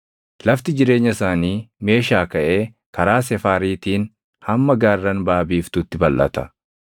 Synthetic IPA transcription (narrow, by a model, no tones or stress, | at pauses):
lɐft̪ɪd͡ʒɪɾe̞ːɲːɐɪsaːniːme̞ːʃaːkɐʔe̞ː | kɐɾaːs̬ɛfaːɾiːt̪iːn | hɐmːɐɡaːrːɐnbaːbiːft̪ʊt̪ːɪbɐlʔɐ̰t̪ɐ̥